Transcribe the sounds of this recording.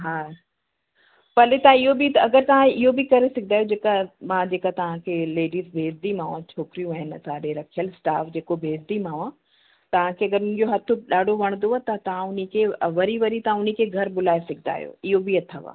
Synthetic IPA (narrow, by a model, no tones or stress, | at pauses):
ɦaː | pɐlet̪aãɪɦobit̪ɐɡəɾt̪ɐʋ̤ãɪɦobɪkɐɾesɐk̚ʰnd̪aːjod͡ʑeːkamãd͡ʑeːkat̪ɐʋ̤ãkʰeleːɖiːzbʱeːɾd̪imãːʋãt͡ɕʰoːkɪɾijũaːɦɪnsaːɗeɾɐkʰijəlsʈaːfd͡ʑeːkobʱeːzd̪imãːʋã | t̪ɐʋ̤ãkʰeːɐɡəɾʊnɪ̃d͡ʑoɦɐt̪ʰʊɗaːɖʱoʋɐɽ̃nd̪oat̪ɐt̪ɐʋ̤ãʊnikʰeʋɐɾiʋɐɾit̪ɐʋãʊnikʰeɡʱɐɾbʊlaːesɐkʰd̪a̰ːɦjo̰ɪɦobiɐt̪ʰaʋa̰ː